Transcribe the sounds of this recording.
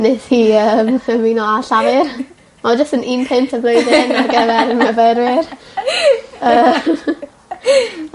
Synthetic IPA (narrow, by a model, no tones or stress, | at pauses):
neθhiːəməminɔaɬavɪr | mad͡ʒəstəninpʰɪntʰəbloɨdɪnarɡɛvɛɾnəvɛɾwɪr | əː